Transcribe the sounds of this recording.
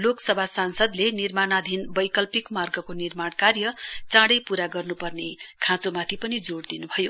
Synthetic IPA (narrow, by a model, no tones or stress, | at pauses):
loksʌbʱasansʌd̪lenirmanad̪ʱinbʌjkʌlpikmarɡʌkonirmaɽkarjʌt͡sãɽʌjpuɾaɡʌrnupʌrnekʰãt͡somat̪ʰipʌnid͡zoɽd̪inubʱʌjo